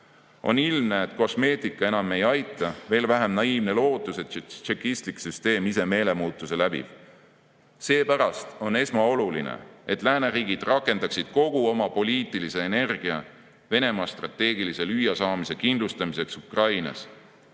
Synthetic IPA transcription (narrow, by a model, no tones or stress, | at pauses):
o̞̰nilmneːt̪ko̞sme̞ːt̪ikːˑɑe̞nɑmːe̞jɑjt̪ːˑɑve̞ːlvæɦemnɑiːvne̞lo̞ːt̪ˑːuset͡ʃekːist̪liksyst̪e̞ːmise̞me̞ːle̞muːt̪ˑːuse̞læb̥ḭv̥ | se̞ːpæɾɑst̪o̞ne̞smɑo̞lulḭnḛet̪ːˑlæːne̞ɾiːɡ̥id̪̥rɑkːˑe̞nd̪ɑksid̪̥ko̞ɡ̥uo̞mɑpo̞lʲiːt̪ːˑilise̞ːne̞rɡ̥iɑ̰ | ve̞ne̞mɑːst̪rɑt̪ːe̞ːɡilise̞lyjɑsɑːmise̞kind̪lust̪ɑmise̞ksukrɑjnɑ̰s